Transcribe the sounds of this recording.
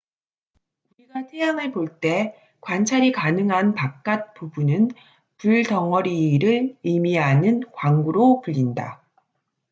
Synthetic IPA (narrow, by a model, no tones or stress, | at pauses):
uɾiɡatʰejaŋɯɭpoɭt͈e̞ | kwant͡ɕʰaɾikanɯŋɦanpak̚k͈at̚p͈ubunɯn | puɭtʌŋʌɾiɾɯɭimianɯnkwaŋɡuɾopuʎːinda̰